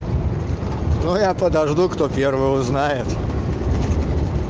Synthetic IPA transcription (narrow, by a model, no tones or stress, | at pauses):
nujapəd̪ɐʐd̪ukt̪opʲervɨjʊznajɪt̪